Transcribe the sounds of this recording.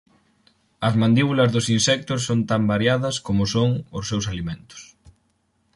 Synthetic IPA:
ɐzmãnd̪iβulɐzðʊsinsɛk̚t̪ʊs̬ːont̪ambaɾjaðɐskomʊsoŋʊsːewsalimẽnt̪ʊ̥s

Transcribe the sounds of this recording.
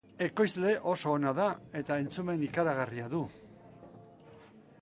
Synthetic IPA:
e̞ko̞jzle̞ʔo̞so̞ːnaðae̞t̪ae̞nt͡sume̞nikaɾaɣariaðu

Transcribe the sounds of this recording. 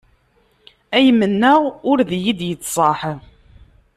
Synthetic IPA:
æjmːənːæʁʊɾðjid̪jət͡sːsˤɑħ

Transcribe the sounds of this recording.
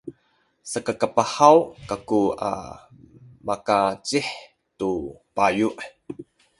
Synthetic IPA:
sakakapaħawkakua̰ | makat͡siħ | tupajuʔ

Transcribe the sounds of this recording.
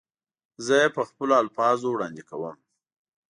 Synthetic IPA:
zəjepəxpəloalfɑzowɽɑnd̪ikawəm

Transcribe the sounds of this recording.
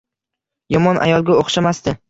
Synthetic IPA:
jɒmɒnʔa̰jɒlˠɡʲaoχʃamast̪ɪ

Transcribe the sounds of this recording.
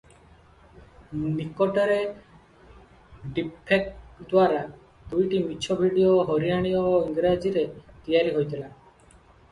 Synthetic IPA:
nikɔʈɔɾe | ɖipʰek̚d̪waɾa | d̪̥ujʈimit͡ʃʰɔbʱiɽijoɦɔɾiaɽ̃ijɔiŋɡɾad͡ʒiɾet̪ijaɾiɦojt̪ila

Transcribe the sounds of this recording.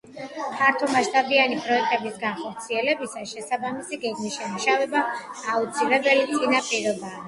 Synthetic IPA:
pʰaɾt̪ʰumaʃt̪ʼabianipʼɾɔɛk̚t̪ʼɛbisɡanχɔɾt̪sʰiɛlɛbisaʃɛsabamisiɡɛɡmisʃɛmaʃavɛbaːut̪sʰilɛbɛlit̪sʼinapʼiɾɔbaː

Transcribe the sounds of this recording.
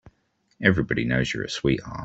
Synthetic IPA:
ɛvɹibɑɾinəʊz̥jə̰˞ɨ̰swiˑʔɑ̰

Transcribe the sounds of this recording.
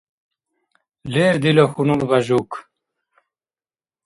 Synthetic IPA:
leːɾd̪iloxunulbaʒuk

